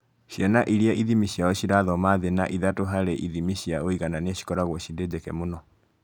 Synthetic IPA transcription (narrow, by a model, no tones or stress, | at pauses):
ɕjɛnaʔiɾiaʔiðimiɕiaɔɕiɾaðɔmaðena̰ʔiðatoɦaɾeʔiðimiɕiaoiɣananaɕi̥kɔɾaɣwɔɕided͡ʑekɛmonɔ